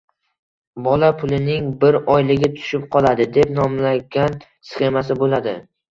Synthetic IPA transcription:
bɒlapʰʊlɪnɪŋbɪɾɒjlɪɡʲɪt̪ʰʊ̥ʃɪp̚qʰɒlˠad̪ɪd̪e̞pnɒmlaɡʲan | sχe̞masɪbolad̪ɪ

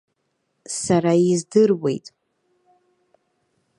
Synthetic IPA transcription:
saɾaizdɨrwe̞̰jtʼ

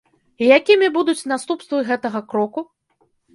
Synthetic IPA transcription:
ijakʲimʲibud̪ut͡sʲnast̪upst̪vɨɣɛt̪ɐɣɐkɾɔku

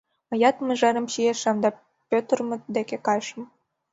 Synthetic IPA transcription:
mɤ̆jɑt̪mə̆ʒɑɾə̆mɕijeʃɑmd̪ɑ | pʲøt̪ərmə̆t̪d̪ekekɑjʃə̆m

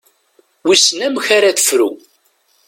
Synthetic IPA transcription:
wisnæmçaɾæθə̥fɾṵ

